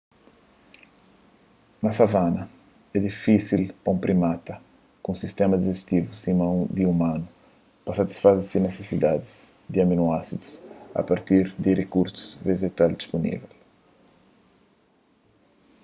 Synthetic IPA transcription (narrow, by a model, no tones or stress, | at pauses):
nɐsavanɐ | ɛd̪ifisilpõmpɾʔimat̪ɐ | kũsist̪ɛmɐd̪ɪzest̪ivusĩmɐ̃w̃d̪iumãnʊ | pɐsɐt̪i̥sfazeɾsɪnesesid̪ad̪ɪzd̪ɪɐminuasid̪usɐ̰paɾt̪iɾd̪ɪrekuɾsu̥zveʒet̪ald̪isponḭvɛl